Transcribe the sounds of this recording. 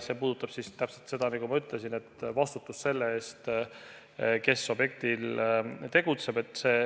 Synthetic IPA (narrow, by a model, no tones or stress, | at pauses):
se̞ːpuːd̪̥ut̪ːˑɑb̥sist̪æpselt̪se̞d̪ɑnɑɡumɑyt̪ˑlesine̞t̪ːvɑst̪ut̪ːˑusse̞lːe̞e̞ːst̪ | ke̞sːo̞bje̞k̚t̪ilt̪e̞ɡ̥ut̪se̞b̥e̞t̪ːˑse̞ː